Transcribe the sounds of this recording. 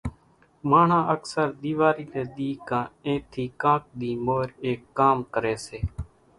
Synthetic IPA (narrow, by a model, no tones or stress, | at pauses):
maːɳãːʔəksəɾd̪iːʋaːɾiːleːɗ̪iːkãːẽːt̪ʰiːkãːk̚d̪iːmoːɾeːkːaːmkəɾeːseː